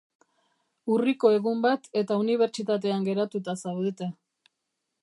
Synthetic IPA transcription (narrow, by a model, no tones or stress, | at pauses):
uriko̞e̞ɣumbat̪e̞t̪auniβ̞e̞ɾt͡ʃit̪at̪̬e̞aŋɡe̞ɾat̪ut̪asawðet̪e